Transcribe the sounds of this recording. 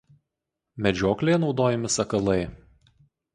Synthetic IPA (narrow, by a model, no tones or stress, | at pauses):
mʲɛd͡ʒʲoːklʲejnɒʊd̪oːjɛmʲɪsɐkɐlˠɐɪ